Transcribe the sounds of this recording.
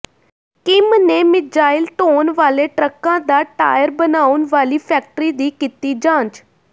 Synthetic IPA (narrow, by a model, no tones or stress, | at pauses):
kɪmneːmɪd͡ʒaːɪlt̪oːnʋaːleːʈɾəkãːd̪aːʈa̰ːjəɾbənaːʊnʋaːliːpʰɛːk̚ʈəɾiːd̪iːkit̪iːd͡ʒãːt͡ʃ